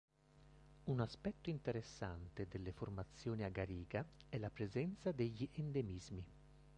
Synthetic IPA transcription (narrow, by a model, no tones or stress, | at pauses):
unaspɛt̪ːoint̪eɾesːant̪ed̪elːeformat̪sːjoːniaɡaɾiːɡaɛlːapɾezɛnt̪sad̪eʎːiʔend̪emizmi